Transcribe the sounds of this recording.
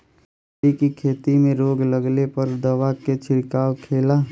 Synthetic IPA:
ikikʰeːt̪imẽɾoːɡləɡlepəɾd̪əʋaket͡ʃʰɪɾkaːʋkʰeːla

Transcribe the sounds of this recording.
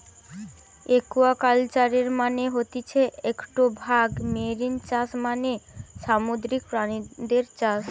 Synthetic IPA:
ekuakalt͡ɕaɾeɾmaneɦot̪it͡ɕʰeekʈubʱaɡmeɾint͡ɕaʃmaneʃamud̪ɾik̚pɾanid̪eɾt͡ɕaʃ

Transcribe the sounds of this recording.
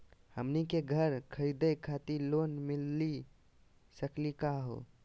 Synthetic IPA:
həmnikeɡʱəɾkʰəɾid̪əkʰat̪ilonmilːi | səklikaɦo̰

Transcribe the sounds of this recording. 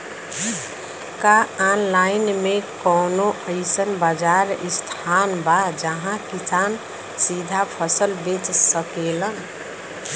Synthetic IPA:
kaanlaɪnmekɔːnoəɪsənbəd͡ʒaɾɪst̪ʰanbad͡ʒəɦãkisaːn | sid̪ʱapʰəsəlbet͡ʃsəkelən

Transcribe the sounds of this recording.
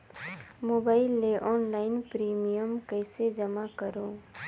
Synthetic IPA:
moːbaːɪlːeʔɔːnlaːɪnpɾiːmijəmkəɪsed͡ʒəmakəɾõː

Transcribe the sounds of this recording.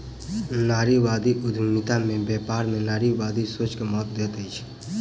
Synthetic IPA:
naːɾiʋaːd̪iʔʊd̪ʱunɪt̪amẽbɛːpaːɾmẽnaːɾiʋaːd̪isoːt͡ʃkemɔːt̪̚d̪eːt̪əit͡ʃʰ

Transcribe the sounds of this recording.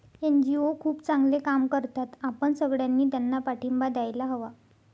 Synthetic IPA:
end͡ʑiokʰuːpt͡saŋɡlekamkəɾt̪at̪apəɳsəɡɭjanːiːt̪̬janːapaʈʰimbad̪ajlaɦəʋa

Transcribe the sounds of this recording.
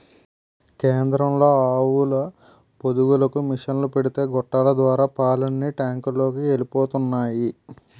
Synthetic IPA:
keːnd̪ɾɐmlo̞ːaːwulɐ | pod̪uwulɐkumiʂɐnlupeɽit̪e̞ːɡɔʈːaːlɐd̪ʋaːɾaːpaːlɐnːiʈaːŋkulo̞ːkielipoːt̪unːaːji

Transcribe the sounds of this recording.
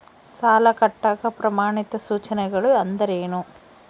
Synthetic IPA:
saːlɐkɐʈːaːɡɐpɾɐmaːɳit̪ɐsuːt͡ʃɐnɛɡɐɭuɐnd̪ɐɾeːnu

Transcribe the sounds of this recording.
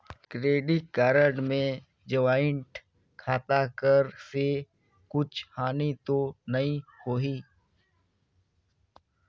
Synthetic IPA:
kɾeːɖɪʈkaːɾəɖmẽ | d͡ʒəʋaːɪɳʈ | kʰaːt̪akəɾse | kʊt͡ʃʰhaːnit̪onɐĩhoːɦiː

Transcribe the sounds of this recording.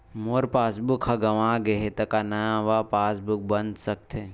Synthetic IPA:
moːɾpaːsbʊkʰhaɡɐʋãːɡeɦet̪ɐkanɐjãʋapaːsbʊk̚bənd̪sɐk̚t̪ʰe

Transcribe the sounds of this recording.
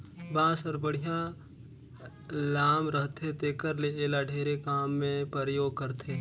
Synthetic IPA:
bãːsəɾbəɽ̤ijã | laːmɾəɦt̪et̪eːkəɾleeːlaɖʱeːɾekaːmːẽpəɾəjoːɡ̚kəɾt̪eː

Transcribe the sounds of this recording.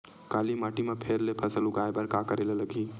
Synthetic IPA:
kalimaʈimapʰeɾlepʰəsəluɡajebəɾkakəɾeleləɡʱi

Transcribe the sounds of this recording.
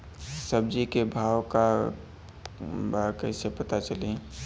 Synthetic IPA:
səb̚d͡ʒikebʱaːwka | baɾkəsepət̪at͡ʃəle

